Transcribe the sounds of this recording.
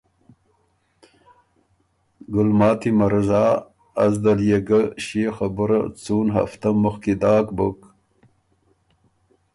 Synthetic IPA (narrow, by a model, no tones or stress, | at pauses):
ɡʊlmɑːt̪imɐɾɐzɑː | zd̪ɐljeɡəɕexabəɾa̰t͡suːnɦa̰ft̪ɐmuxkid̪ɑːkbuk